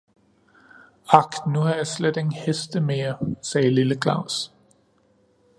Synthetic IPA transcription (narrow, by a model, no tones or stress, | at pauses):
ɑknuhɑjɑ̈sled̥eŋn̩hesd̥əmeːɐsɛːliləkʰlɑ̰ʊs